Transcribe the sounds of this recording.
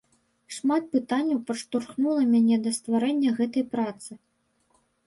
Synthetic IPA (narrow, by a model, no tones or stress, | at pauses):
ʂmat̪̚pɨt̪anʲːɐwpɐʂt̪urxnulˠɐmʲanʲɛd̪ɐst̪vaɾɛnʲːɐɣɛt̪ɐjpɾat̪sɨ